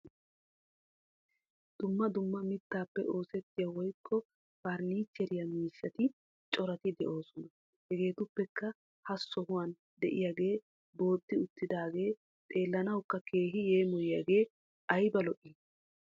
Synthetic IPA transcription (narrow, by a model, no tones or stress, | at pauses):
d̪̥ʊmːɐd̪ʊmːɐmɪt̪ːaːpːɛʔo̞ːsɛt̪ːɪjɐwɔjkʰːɔ | fɐɾniːt͡ʃːɛɾɪjɐmiːʃːɐt̪ɪ | t͡ʃʼɔɾɐt̪ɪd̪ɛʔo̞ːsɔnɐ | hɛɡe̞ːt̪ʊpːɛkːɐ | hɐsːɔhʊwaːn | d̪ɛ̰ʔɪ̰jaɡe̞ː | bo̞ːd̪ːɪʊt̪ːɪd̪aːɡe̞ː | t̪ʼe̞ːlːɐnɐwkːɐkʰe̞ːɦɪje̞ːmɔjɪjɐɡe̞ː | ʔɐjbɐlɔʔɪ